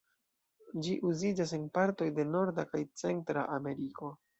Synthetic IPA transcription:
d͡ʒiʔuzid͡ʒas̬e̞npaɾto̞jde̞no̞ɾdakajt͡se̞ntɾa̰ʔame̞ɾiko̞

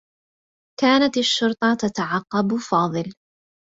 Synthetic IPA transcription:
kaːnat̪aʃːʊɾt̪ˤɑt̪at̪aʕɑqːɑbfɑːðˤɨl

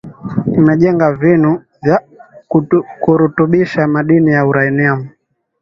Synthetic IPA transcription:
imɛʄɛŋɡavinu | vja | kuɾutuɓiʃamaɗinijauɾainiamu

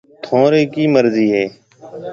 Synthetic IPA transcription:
t̪ʰõːɾeːkiːməɾziːɦeː

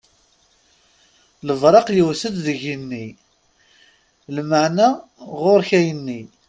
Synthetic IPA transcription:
ləvɾˤɑqjəwsəd̪ðəʝinːi | lməʕnaʁʊɾçæjənːi

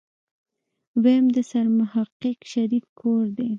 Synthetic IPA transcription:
wemd̪əsaɾmʊhɑqəqʃaɾid̪̚kʰoɾd̪e

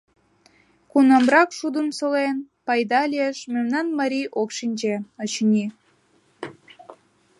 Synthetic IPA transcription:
kunɑmrɑkʃud̪ənsəlen | pɑjd̪ɑlʲeeʃmemnɑnmɑɾʲijʔokʃinʲd͡ʑeət͡ɕnʲi

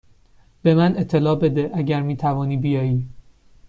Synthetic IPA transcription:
b̥e̞mæne̞t̪ʰːe̞lɒːbe̞d̪e̞ʔæɟæɾmiːt̪ʰævɒːniːbijɒːjiː

